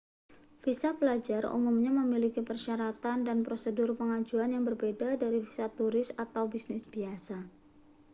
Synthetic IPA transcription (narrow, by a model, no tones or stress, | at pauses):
fisapəlad͡ʒarṵmʊmɲaməmilikipərʃaɾat̪andanpɾosədʊrpəŋad͡ʒuanjaŋbərbedadaɾifi̥sat̪uɾɪsat̪awbisnɪsb̥iasa